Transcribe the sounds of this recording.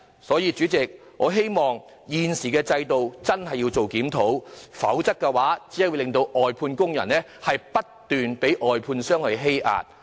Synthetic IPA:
sɔː˨˥jiː˨˧t͡ʃyː˨˥t͡sɪ˨k̚ | ʔɔː˨˧ɦe˥jmɔː˨˩ŋ | jiː˨nsiː˨˩kɛː˧t͡sɐ˧jt̪o˨wt͡sɐ˥nhɐ˨jːiː˧wt͡so˨wkiː˨˥mt̪ʰo˨˥wfɐ̰˨˥wt͡sɐ˥kːɛː˧waː˨˥t͡siː˨˥˨wu˨˧lɪ˨ŋt̪o˧wʔɔː˨jpʰuː˧nkʊ˥ŋjɐ̰˨˩nːɛː˥ | hɐ˨jpɐ˥tt̪yː˨npe˨˥jʔɔː˨jpʰuː˧nsœː˥ŋhɵ˧jɦe˥jʔa̰ː˨˧t̚

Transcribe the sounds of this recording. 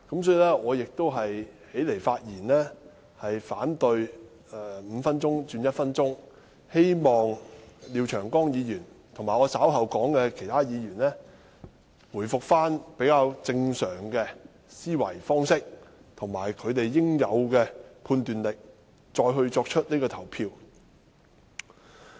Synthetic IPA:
kɐ˨˥msɔː˨˥i˨˧lɛː˥ɔː˨˧jɪ˨k̚t̪o˥wɦɐ˨jhe˨˥jle˨˩jfaː˧t̚jiː˨˩nlɛː˥ | hɐ˨jfaː˨˥nt̪ɵ˧ɥ | ɛ˨˧m̩ː˨˧fɐ˥nt͡sʊ˥ŋt͡ʃyː˧njɐ˥t̚fɐ˥nt͡ʃʊ˥ŋ | he˥jmɔː˨ŋliː˨˧wt͡ʃʰœː˨˩ŋkɔː˥ŋjiː˨˧jyː˨˩nt̪ʰŋmaː˨˩jɔː˨˧sa˨˥wɦɐ˨wkɔː˨˥ŋkɛ˧kʰe˨˩jt̪ʰaː˥jiː˨˧ɥyː˨˩nlɛː˥ | wuː˨˩jfʊ˨k̚faː˥npe˨˥jkaː˧wt͡sɪ˧ŋsœː˨˩ŋkɛː˧ | siː˥wɐ˨˩jfɔː˥ŋsɪ˥k̚ | t̪ʰʊ˨˩ŋmaː˨˩jkʰɵ˨˧ɥt̪e˨jːɪ˥ŋjɐ˨˧wkɛː˧pʰuː˧nt̪yː˨nlɪ˨k̚ | t͡ʃɔː˧jɦɵ˧ɥt͡sɔː˧k̚t͡ʃʰɵ˥t̚niː˥kɔː˧t̪ʰɐ˨˩wpʰiː˧w

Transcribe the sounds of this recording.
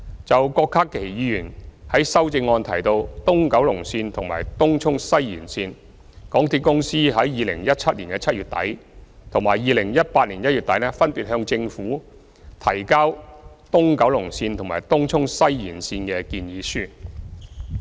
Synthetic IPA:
t͡sɐ˨wkɔː˧kʰːaː˥kʰːe˨˩jjiː˨˧jyː˨˩nhɐ˨˥jsɐ˥wt͡sɪ˧ŋːɔː˧nt̪ʰɐ˨˩jt̪o˧wt̪ʊ˥ŋkɐ˨˥wlʊ˨˩ŋsiː˧nt̪ʰʊ˨˩ŋma̰ː˨˩jt̪ʊ˥ŋt͡ʃʰʊ˥ŋsɐ˥jːḭː˨˩nsiː˧n | kɔː˨˥ŋt̪ʰiː˧t̚kʊ˥ŋsiː˥ɦɐ˨˥jːiː˨˧lɪ̰˨˩ŋjɐ˥t̚t͡sʰɐ˥t̚liː˨˩nkɛ˧t͡sʰɐ˥t̚ɥyː˨t̚t̪ɐ̰˨˥jt̪ʰʊ˨˩ŋmaː˨˩jjiː˨˧lɪ˨˩ŋjɐ˥t̚paː˧t̚liː˨˩njɐ˥t̚jyː˨t̪̚ɐ˨˥jnɛː˥fɐ˥npi˨t̚hœː˧ŋt͡sɪ˧ŋfuː˨˥ | t̪ʰɐ˨˩jkaː˥w | t̪ʊ˥ŋkɐ˨˥wlʊ˨˩ŋsiː˧nt̪ʰʊ˨˩ŋma̰ː˨˩jt̪ʊ˥ŋt͡ʃʰʊ˥ŋsɐ˥jːiː˨˩nsiː˧nkɛː˧kiː˧njiː˨˧˥syː˥

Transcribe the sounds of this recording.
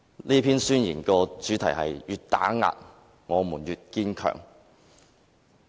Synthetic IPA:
nliː˥pʰiː˥nsyː˥njḭː˨˩nkɔː˧t͡ʃyː˨˥t̪ʰɐ˨˩jhɐ˨jjyː˨˩t̚t̪aː˨˥ŋa̰ː˨t̚ | ŋɔː˨˧muː˨˩njyː˨t̚kiː˥nkʰœ̰ː˨˩ŋ

